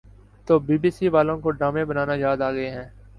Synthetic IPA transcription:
t̪oːbiːbiːsiːʋaːlõːkoːɖaːmẽːbənaːnaːjaːd̪aːɡəeːɦɛ̃ː

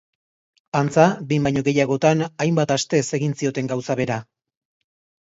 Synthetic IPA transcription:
ant͡sabimbajɲo̞ɣe̞jaɣ̞o̞t̪anajmbat̪ast̪e̞se̞ɣinsio̞t̪e̞ŋɡawsaβe̞ɾa

